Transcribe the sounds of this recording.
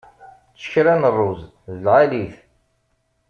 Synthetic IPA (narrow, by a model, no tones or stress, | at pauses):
t͡sːə̥çɾænərˤːʊz | ðəlʁaliθ